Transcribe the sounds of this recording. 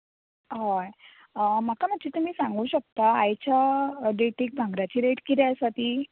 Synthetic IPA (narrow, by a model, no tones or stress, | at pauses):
ɦaj | makaməd͡ʑiːt̪um̤iːsãŋɡuːɕək̚t̪aːjt͡ɕaɖeʈik̚bʱãŋɡɾat͡ɕiːɾeʈkit̪ɛəsat̪i